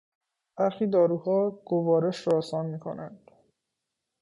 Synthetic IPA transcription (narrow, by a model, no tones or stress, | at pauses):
b̥æɾxiːd̪ɒːɾuːhɒːɡ̥ovɒːɾeʃɾɒːsɒːnmiːkʰo̞̰nænd̪̥